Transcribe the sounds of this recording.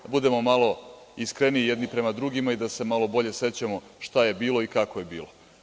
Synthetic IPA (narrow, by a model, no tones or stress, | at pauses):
bud̪e̞mo̞malˠo̞ | iskɾeniːjed̪nipɾe̞mad̪ɾuɡimaid̪ase̞malˠo̞bo̞ʎe̞se̞t͡ɕamo̞ | ʃt̪aje̞biːlˠo̞ikakoje̞biːlˠo